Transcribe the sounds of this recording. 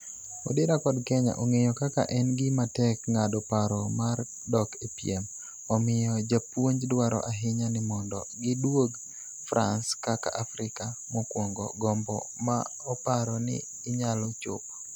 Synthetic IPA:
odɪɾakɔdkɛɲa̰ʔɔŋejɔkaka̰ʔɛnɡɪmatɛkŋadɔpaɾɔmar | dɔkepiɛm | ɔmɪjɔd͡ʒapwoɲd͡ʒdwaɾɔ̰ʔaɦɪɲanɪmɔndɔ̰ɡɪdwoɡ | fɾʔa̰nskaka̰ʔafɾɪkamɔkwoŋɡɔ̰ɡɔmbɔma | ɔpaɾɔnɪ̰ː | ɲalɔt͡ʃo̰p

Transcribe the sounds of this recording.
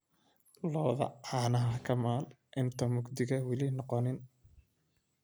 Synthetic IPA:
lɔːðɐ̰anɐɦɐkʰɐmaːl | ʔɪnt̪ʰɐmʊɡd̪ɪɣɐwɪlɪnɔqɔnɪn

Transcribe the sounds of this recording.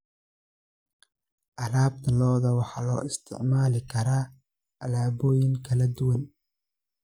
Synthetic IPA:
ʔɐlaːbt̪ʰɐlɔːðɐwɑħɑːlɔ̰ːʔɪst̪ʰɪ̰ʕmaːlɪkʰɐɾaː | ʔɐlaːβɔːjɪŋkʰɐlɐd̪ʊwɐn

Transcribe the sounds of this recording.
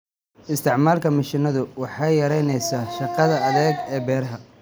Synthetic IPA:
ɪst̪ʰɪʕmaːlkʰɐmɐʃɪnɐðʊwɑħɑjɐɾɛjnɛjsaːʃɑqɑðɐɐðɛːɡɛːbɛːɾɐɦɐ

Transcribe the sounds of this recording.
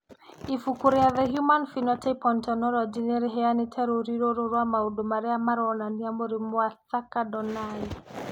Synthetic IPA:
ifukuɾeaðɛɦjumanfinɔtɛpɔntɔnɔlɔd͡ʒinɛɾeɦɛanɪtʰɛɾoɾiɾoɾoɾwamaudomaɾɛamaɾɔnaniamoɾimwaθakadɔnai

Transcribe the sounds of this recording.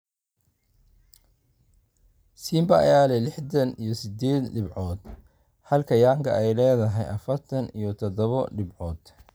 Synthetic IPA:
siːmbɐɐ̰jaːlɛlɪħd̪ɐnḭjɞsɪd̪ɛːd̪ɖɪbʕɔːd̪ | hɐlkʰɐjaːŋkʰɐʔɛjlɛːðɐɦɛjʔɐfɐrt̪ʰɐnḭjɞt̪ʰɔd̪ɔβɔɖɪbʕɔːd̪̥

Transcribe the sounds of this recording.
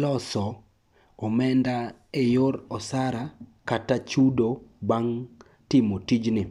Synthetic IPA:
lɔsɔ | ɔmɛnda | ejoɾɔsaɾakatat͡ʃudobaŋ | tɪmotid͡ʒnɪ

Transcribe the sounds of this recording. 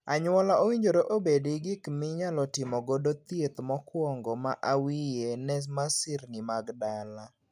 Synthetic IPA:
aɲʊwɔlaowiɲd͡ʒoɾoʔobedɪɡɪkmɪɲalɔtɪmɔɡodot̪jet̪mɔkwɔŋɡɔmaʔawijenɛs̬masɪɾnɪmaɡdala

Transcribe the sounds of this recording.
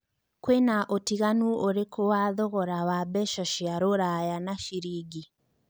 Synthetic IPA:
kwenaʔotiɣanuʔoɾekʰowaðɔɣɔɾawabɛʃɔʃiaɾoɾajanaʃiɾiːɡi

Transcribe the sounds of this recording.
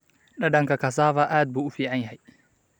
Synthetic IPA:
ɗaɗaŋkakas̬aːvaʔad̪̚buufiaɲhaj

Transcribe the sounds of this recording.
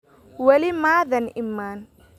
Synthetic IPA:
wɐlimaːðɐnɪmːaːn

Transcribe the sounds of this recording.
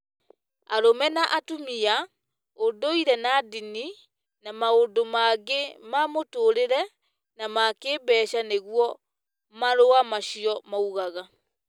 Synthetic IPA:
aɾomɛnaʔatumia | ondoiɾɛnadini | namaondomaɡemamotoːɾeɾɛ | namakeːbɛːʃaneɣwɔ | maɾoamaɕiɔmauɣaɣa

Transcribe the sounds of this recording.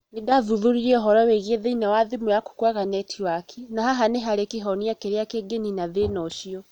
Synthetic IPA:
nidaðuðuɾiɾɛɔɦɔɾɔweɣieðeinawaðimujaku̥kwaɣanɛtʰiwakʰinahaɦaneɦaɾekiɦɔniakeɾeakeɡeninaðenɔʃiɔ

